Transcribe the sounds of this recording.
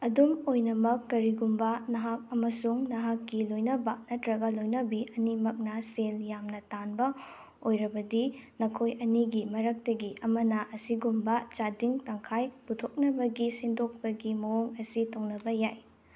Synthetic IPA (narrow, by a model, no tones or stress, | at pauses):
ɐdumojnɐmɐkːɐɾiɡumbɐnɐɦak̚ɐmɐsuŋnɐɦakːilojnɐbɐnɐtɾɐɡɐlojnɐbiʔɐnimɐk̚nɐseljamnɐtanbɐ | ojɾɐbɐdinɐkʰojɐniɡimɐɾɐk̚tɐɡiʔɐmɐnɐʔɐsiɡumbɐt͡ʃadiŋtɐŋkʰajputʰok̚nɐbɐɡisindok̚pɐɡimɐoŋɐsitʰɐwnɐbɐjaj